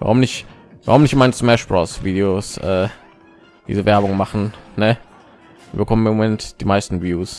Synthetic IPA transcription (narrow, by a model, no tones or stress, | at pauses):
va̰ʁʊmnɪç | vaʁʊmnɪçtmaɪnəsmɛʃb̥ʁɔ̰sv̥iːdeosʔɛː | v̥ḭːzivɛɐbʊŋmaχn̩nə | v̥ḭːbəkʰɔməmomomɛntd̥iːmaɪstn̩vjuːs